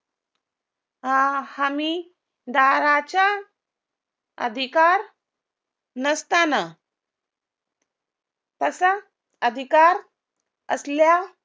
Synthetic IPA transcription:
ãhami | d̪aɾat͡ɕa | ə̰d̪ʱikaɾ | nəst̪ana | t̪əsa | əd̪ʱikaɾ | ə̰slja

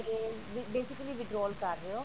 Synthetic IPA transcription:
eː | ʋɪbeːsɪkəliːʋɪɖɾɔːlkəɾːeoː

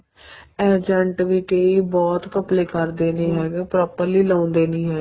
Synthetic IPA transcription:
ɛːd͡ʒəɳʈʋiːkəiːbɔːt̪kəpleːkəɾd̪eːnĩːɦɛːɡepɾɔːpəɾliːlaːnd̪eːnĩːɦɛː

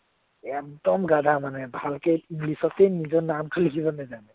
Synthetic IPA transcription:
ek̚d̪ɔmɡad̪ʱamanebʱalkeĩŋɡlisɔt̪enid͡ʒɔnamkʰəlikʰisəned͡ʒane

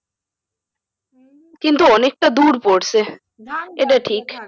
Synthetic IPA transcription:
kɪ̃nt̪ooneːk̚ʈ̪ad̪uːɖpoːʈse | eɖɐʈʰiːk

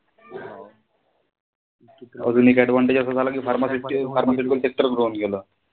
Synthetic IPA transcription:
ə̰d͡zunikɛɖʋaɳʈed͡ʑəs̬at̪alakifaɾmasiʈifaɾmasuʈikəlsek̚ʈəɾɡɾoːnkelo

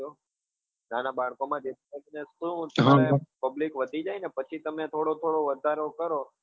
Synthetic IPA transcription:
o | nanabaɭkomãd͡ʒet̪ənesũt̪ɦepəblikʋəd̪ʱid͡ʒainepət͡ʃʰit̪əmẽt̪ʰoɽot̪ʰoɽoʋəd̪ʱaɾokəɾo

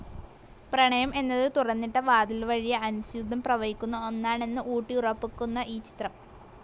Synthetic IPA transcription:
prɐɳɐjɐmʔe̞nːɐðɨt̪urɐnːiʈːɐʋaːd̪ɐlʋɐɻijɐɐnuɕud̪ʱːɐmprɐʋɐɦikʲːunːuonːaːɳe̞nːɨʔuːʈːiurɐpːikʲːunːɐʔiːt͡ɕi̥t̪rɐm

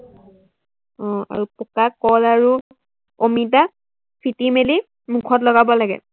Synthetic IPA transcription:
ɔ̃a̰ɹupɔkakɔlaɹu | omit̬a | pʰitimeli | mukʰɔtlɔɡabɔlaɡɛ̰

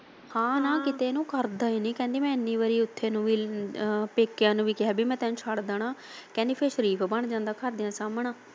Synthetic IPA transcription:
hãːnãːkɪt̪eːnũːkəɾd̪aːiːnĩːkɛ̃ːnd̪eːmɛ̃ːɪnːĩːʋəɾiːʊt̪ʰːeːnũːʋiː | peːkːɪjãːnũːʋiːkɪɦɛːbiːmɛ̃ːt̪ɛːnũːt͡ʃʰaɽd̪aːɳãː | kɛ̃nd̪eːpʰeːʃəɾiːpʰbəɳd͡ʒãːnd̪aːkʰəɾd̪ijãːsaːmɳaː

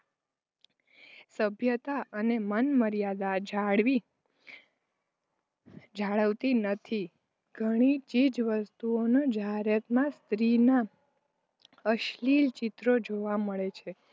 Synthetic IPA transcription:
səbʱjət̪aʔənemənməɾijad̪ad͡ʒaɽʋi | d͡ʒaɭəʋt̪inət̪ʰi | ɡʱəɽ̃it͡ʃid͡ʒʋəst̪uonod͡ʒaɦɾjət̪mãst̪ɾina | əʃlilt͡ʃɪt̪ɾod͡ʒoʋaməɭet͡ʃʰe

